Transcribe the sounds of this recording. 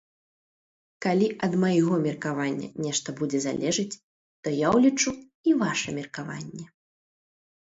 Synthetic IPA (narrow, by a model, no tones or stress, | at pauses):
kalʲiʔɐd̪mɐjɣɔmʲirkavanʲːɐ̰nʲɛʂt̪ɐbud͡zʲɛza̰lʲʔɛʐɨt͡sʲ | t̪ɔjawlʲit͡ʂu | ivaʂɛmʲirkava̰nʲːɛ